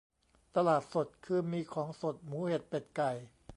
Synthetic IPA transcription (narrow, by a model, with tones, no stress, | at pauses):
t̪a˧laː˨˩t̪̚so˨˩t̪̚kʰɯː˧miː˧kʰɔː˩˦ŋso˨˩t̪̚muː˩˦he˨˩t̪̚pe˨˩t̪̚ka˨˩j